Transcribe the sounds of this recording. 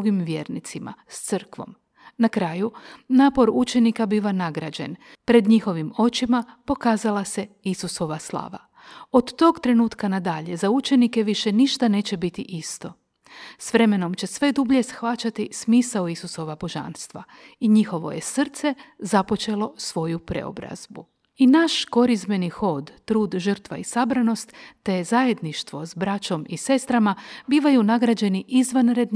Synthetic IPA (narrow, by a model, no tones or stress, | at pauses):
ɡimʋje̞̰ɾnḭt̪sima̰st̪sɨrkʋo̞̰m | nakɾaːjunaːpo̞ɾut͡ʃe̞nikabiːʋanaɡɾad͡ʑe̞̰n | pɾe̞d̪ɲixo̞ʋimo̞t͡ɕimapo̞kaːzalase̞isuso̞ʋaslˠa̰ːʋa̰ | o̞d̪ːo̞ɡt̪ɾe̞nuːt̪kanad̪aʎe̞zaut͡ʃe̞nike̞ʋiʃe̞niʃt̪ane̞ːt͡ɕe̞bit̪iʔist̪o̞ | sʋɾe̞me̞no̞mt͡ɕe̞sʋe̞d̪ubʎe̞sxʋat͡ʃat̪ismiːsaoisuso̞ʋabo̞ʒa̰nst̪ʋa̰ | iɲixo̞ʋo̞̰jesr̩t̪se̞zapo̞t͡ʃe̞lo̞sʋo̞jupɾḛo̰bɾa̰z̥bu | inaʃko̞ɾizbe̞nixo̞d̪ːɾuːd̪ʒər̩t̪ʋa̰isabɾano̞st̪ːe̞zaje̞d̪niʃt̪ʋo̞zbɾat͡ɕo̞mise̞st̪ɾamabiːʋajunaɡɾad͡ʑe̞niʔizʋanɾe̞d̪